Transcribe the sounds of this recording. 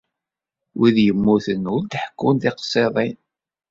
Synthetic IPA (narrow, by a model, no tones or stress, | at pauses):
wiðjəmːuθənʊɾd̪ħə̥kːʊnðɪqə̥sˤːeðˤin